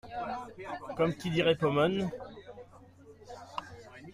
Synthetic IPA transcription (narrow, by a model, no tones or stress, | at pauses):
kɔmkʲid̪iʁɛpɔmɔn